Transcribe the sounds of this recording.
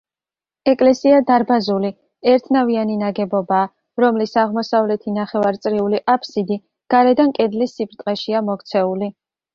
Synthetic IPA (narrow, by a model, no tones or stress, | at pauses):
ɛkʼlɛsiad̪aɾbazuli | ɛɾt̪ʰnavianinaɡɛbɔbaː | ɾɔmlisaʁmɔsavlɛt̪ʰinaχɛvaɾt̪sʼɾiuliʔapʰsid̪i | ɡ̥aɾɛd̪ankʼɛd̪lisːipʰɾt̪ʼqʼɛʃiamɔkt̪sʰɛuli